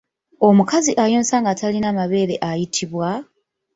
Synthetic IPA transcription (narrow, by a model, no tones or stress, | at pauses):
o̞mukaziʔajo̞ːnsaːŋɡatalinaːmaβe̞ːɾe̞ʔajitʰiβwa